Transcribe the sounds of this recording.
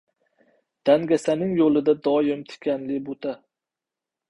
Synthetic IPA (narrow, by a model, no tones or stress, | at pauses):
d̪̥aŋɡʲasanɪŋjolɪd̪ad̪ɒjɪmt̪ʰɪ̥kʲʰanlɪbot̪ʰa